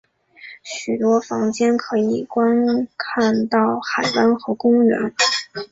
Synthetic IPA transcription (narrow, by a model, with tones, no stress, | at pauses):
ɕy˨˩t̪wɔ˥fɑ˧˥ŋt͡ɕjɛ˥nkʰɤ˧˥i˨˩kwa˥nkʰa˥˧nt̪ɑ˥˩ʊxa˨˩ɪpa˥nxɤ˧˥kʊ˥ŋɥɛ̰˧˥n